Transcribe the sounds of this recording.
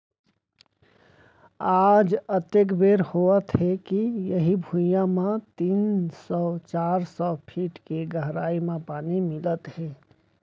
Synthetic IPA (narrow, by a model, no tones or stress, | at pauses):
aːd͡ʒət̪ekbeɾhoət̪ɦekijəɦibʱujãmãt̪iːnsɔt͡ʃaːɾsɔpʰiːʈkeɡəɦɾaːimẽpaːnimɪlət̪he